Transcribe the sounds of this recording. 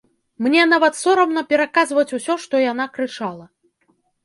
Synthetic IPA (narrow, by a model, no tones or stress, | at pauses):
mnʲɛn̪avɐt̪sɔɾɐmnɐpʲɛɾakazvɐt͡sʲusʲɔʂt̪ɔjan̪akɾɨt͡ʂalˠɐ